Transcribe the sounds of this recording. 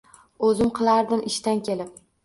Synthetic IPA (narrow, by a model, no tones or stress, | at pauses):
ɵzɪmqʰɨlˠaɾd̪ɪmɪʃt̪ankʲʰe̞lɪp̚